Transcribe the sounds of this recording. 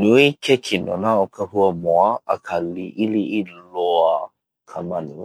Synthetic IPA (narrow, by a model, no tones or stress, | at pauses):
nuikʰɛkʰinɔ̰naɔkahuamɔaakʰaliʔiliilɔa | kʰamani